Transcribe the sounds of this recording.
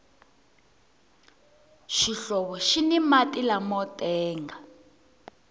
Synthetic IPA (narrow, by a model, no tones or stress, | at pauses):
ʃiɬɔβɔʃinimatilamɔtʼɛːŋɡa